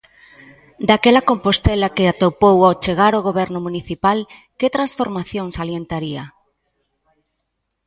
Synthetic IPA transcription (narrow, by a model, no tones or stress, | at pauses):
d̪akɛlɐkompost̪ɛlakeat̪opowawt͡ʃeɣaɾoɣ̞oβɛɾnʊmuniθipalket̪ɾãnsfoɾmaθjoŋsaljent̪aɾiɐ